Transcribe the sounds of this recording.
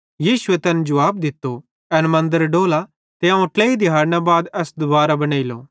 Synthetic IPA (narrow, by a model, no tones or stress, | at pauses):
jiːsʊet̪ɛnd͡ʒɐʋaːb̚d̪ɪt̪ːo | ɛnmɐ̃nd̪əɾɖoːla | t̪eãũʈleːid̪ɪɦaːɾñabaːd̪ɛːsd̪ʊbaːɾabɐñaːilo̰ː